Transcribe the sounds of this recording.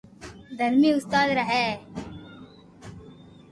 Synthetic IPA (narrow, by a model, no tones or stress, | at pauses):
d̪ʱəɾmiːʊst̪aːd̪ɾəɦɛː